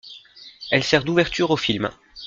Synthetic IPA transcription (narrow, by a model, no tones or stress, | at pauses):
ɛlsɛʁd̪uvɛʁt̪yʁofilm